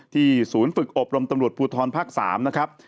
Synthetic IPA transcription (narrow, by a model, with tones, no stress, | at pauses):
t̪ʰiː˥˩suː˩˦nfɯ˨˩k̚ʔo˨˩p̚ɾo˧mt̪a˧mɾu˨˩ət̪̚pʰuː˧t̪ʰɔː˧npʰaː˦˥˩k̚sa̰ː˩˦mna˦˥kʰɾa˦˥p̚